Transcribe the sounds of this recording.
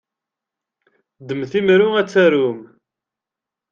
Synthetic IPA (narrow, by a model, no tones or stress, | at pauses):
d̪əmθimɾʊæt͡sːæɾum